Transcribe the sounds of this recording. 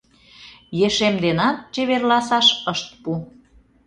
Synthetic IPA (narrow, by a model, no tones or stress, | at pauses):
jeʃemd̪enɑt̪̚t͡ɕeβerlɑsɑʃəʃt̪̚pu